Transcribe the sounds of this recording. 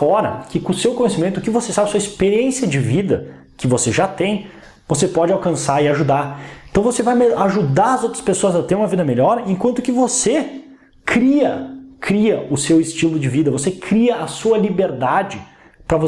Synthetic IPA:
ɔɾɐ̰kɪkõsewkõɲesimẽnt̪ʊkɪvosesabɪɐsuɐispeɾiẽsjɐd͡ʒɪvid̪ɐ̰ | kɪvoseʒat̪ẽj̃ | vosepɔd͡ʒɪawkɐ̃saɾɪaʒud̪aɾẽt̪w̃vosevajmeaʒud̪aɾɐzowt̪ɾɐ̥spesoɐzɐt̪eɾũmɐvid̪ɐmeʎɔɾẽŋkwɐ̃nt̪ʊ̥kɪvose | kɾiɐkʰɾiɐʔʊsewɪst͡ʃilʊd͡ʒɪvid̪ɐvosekɾiɐʔɐsuɐlibeɾd̪ad͡ʒɪ | pɾɐvo

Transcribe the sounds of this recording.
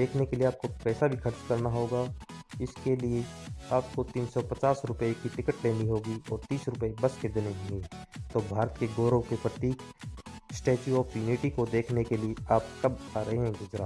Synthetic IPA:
d̪eːkʰnekelieaːp̚kopɛːsabʱixʰɐɾt͡ʃkɐɾnaɦoːɡaːɪskelieaːp̚kot̪iːnsɔpɐt͡ʃaːsɾʊpekiʈɪkəʈleːniɦoːɡiɔːɾt̪iːsɾʊpəebɐsked̪eːneɦõːŋɡet̪oːbʱaːɾət̪keɡoːɾõkepɾɐt̪iːksʈeːt͡ʃuɔːfjuːniʈikod̪eːkʰnekelieaːp̚kɐbaːɾɐɦeɦɛ̃ɡʊd͡ʒɾaː

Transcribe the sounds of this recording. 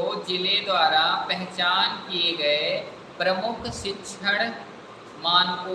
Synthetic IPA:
od͡ʒɪled̪waːɾapɐɦɛt͡ʃaːnkieɡɐe | pɾɐmʊkʰʃɪtːʃʰəɽ̃ | maːnpuː

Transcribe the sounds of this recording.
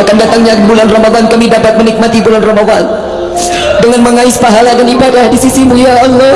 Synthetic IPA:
akandat̪aŋɲabulanramadankamidapat̪̚mənik̚mat̪ibulanramawan | dəŋanməŋaɪspaɦaladanibadahdisisimujaɔnɔ

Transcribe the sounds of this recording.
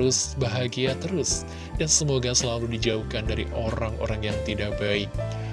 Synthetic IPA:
ʊsbaɦaɡiat̪əɾʊs | jaŋsəmoɡasəlaludid͡ʒaukandaɾiʔoɾaŋʔo̰ɾaŋjaŋt̪idak̚baɪk̚

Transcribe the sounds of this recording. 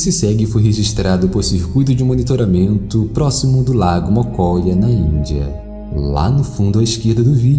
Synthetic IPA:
sɪsɛɡɪfojɦeʒiʃt̪ɾad̪ʊpoɾsiɾkujt̪̬ʊd͡ʒɪũmonit̪oɾamẽnt̪ʊpɾɔsimʊd̪ʊlaɡʊmɔkɔʎɐnɐĩd͡ʒiɐ̰ | la̰nʊfũnd̪ʊɐiskeɾd̪ɐd̪ʊvi

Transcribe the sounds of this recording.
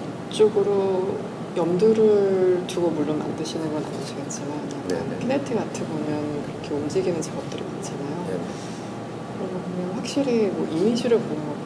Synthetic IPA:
t͡ɕ͈oɡɯɾo | jʌmduɾɯɭtuɡomuɭːonma̰ndɯɕʰinɯnɡʌnamɯɕʰiɡet̚t͡ɕ͈imananankʰenetʰɯɡatʰɯbomjʌnkɯɾʌkʰe̞umd͡ʑiɡinɯnt͡ɕaɡʌp̚t͈ɯɾikat͡ɕ͈ʰinajo | kɯɾʌɡɯbomjʌnɸwak̚ɕ͈iɾimʌʔimid͡ʑiɾɯɭbomʌ

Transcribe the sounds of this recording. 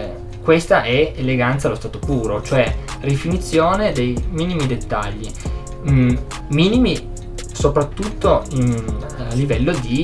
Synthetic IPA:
kwest̪aʔɛeleɡant̪salːost̪aːt̪opuːɾot͡ʃoɛrifinit̪sːjoːned̪ejmiːnimid̪et̪ːaʎːi | miːnimi | sopɾat̪ːut̪ːo | alːivɛlːod̪i

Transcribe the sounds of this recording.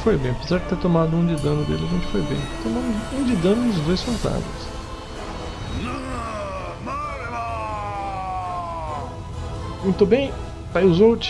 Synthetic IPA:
fojbẽj̃pizɛɾt̪eɾt̪omad̪ʊũd͡ʒɪd̪ɐ̃nʊd̪ḛlɪɐʒẽnt͡ʃɪ̥fojbḛ̃j̃t̪omɐ̃mʊzũd͡ʒɪd̪ɐ̃nʊ̃ʊzd̪ojsfoɾt̪a̰ʒḛ̃s | mũj̃t̪ʊbẽj̃ | pajʊzot͡ʃ

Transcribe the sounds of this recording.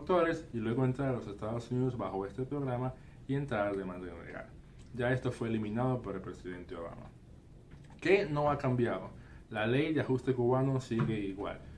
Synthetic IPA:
kt̪oɾe̞silwe̞ɣoe̞nt̪ɾaɾalose̞st̪aðosuniðozβaxo̞e̞st̪e̞pɾo̞ɣɾama | ie̞nt̪ɾaɾðemãnd̪emɾḛɣa̰ɾ | ʝae̞st̪o̞fwe̞ːlimĩnaðo̞poɾelpɾe̞siðe̞nt̪eo̞βa̰ma̰ | keno̞akambjaðo̰ | lale̞jd̪eaxust̪e̞kuβano̞siɣe̞iɣwa̰l

